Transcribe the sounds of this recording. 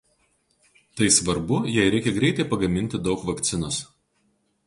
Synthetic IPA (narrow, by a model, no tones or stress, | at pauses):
t̪ɐɪsʋɐɾbʊjɛɪɾʲɛɪkʲɛɡɾʲɛɪt̪ɐɪpɐɡɐmʲɪnʲt̪ʲɪd̪ɒʊkʋɐkt̪sʲɪnɐs